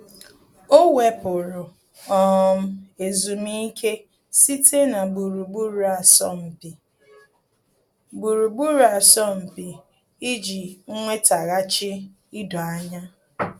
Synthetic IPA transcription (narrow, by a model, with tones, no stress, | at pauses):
o˦we˦pʊ˨ɾʊ˨ | ɔ˦m̩˦e˨zu˨mi˦kʰe˦ | si˦tʰe˦na˨ɡ͡bu˨ɾu˨ɡ͡bu˦ɾu˨a˨sɔ̰˦m̩˨pi˨ | bu˨ɾu˨ɡ͡bu˦ɾu˨a˨sɔ˦m̩˨pi˨ | i˦d͡ʒi˨ŋ̩˦ŋʷe˦ta˨ɣa˦t͡ʃɪ˦ | i˦dɔ˨a˦ɲa˦